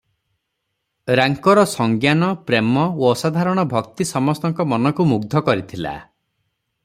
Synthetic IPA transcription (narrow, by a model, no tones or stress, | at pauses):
ɾaŋkɔɾɔsɔŋɡjanɔpɾemɔoɔsad̪ʱaɾɔɽ̃ɔbʱɔkt̪isɔmɔst̪ɔŋkɔmɔnɔkumuɡd̪ʱɔkɔɾit̪ʰila̰